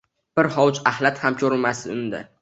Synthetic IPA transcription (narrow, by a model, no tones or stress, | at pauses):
b̥ɪɾhɒwt͡ʃahlat̪hamkʲʰɵɾɪmast̪ɪʊnd̪a̰